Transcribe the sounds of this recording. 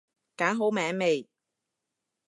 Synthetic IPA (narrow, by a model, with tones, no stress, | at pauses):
kaː˨˥ŋɦo˨˥wmɛː˨˥ŋme˨j